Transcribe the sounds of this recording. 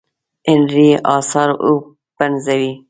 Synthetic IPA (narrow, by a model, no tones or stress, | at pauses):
ɪnɾiʔɑːsɑːɾu | banzawi